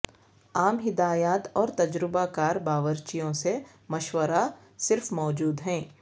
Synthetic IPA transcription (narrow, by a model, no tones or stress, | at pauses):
aːmɦɪd̪aːjaːt̪ɔːɾt̪ɐd͡ʒɾɪbakaːɾbaːʋəɾt͡ʃijõse | mɐʃwəɾa | sɪɾfmɔːd͡ʒuːd̪ɦɛ̃ː